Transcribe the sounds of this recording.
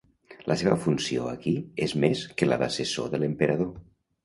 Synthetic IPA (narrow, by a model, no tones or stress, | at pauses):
lʔəseβə̰funsioəkiezmeskəla̰ða̰sesoðələmpəɾəð̞o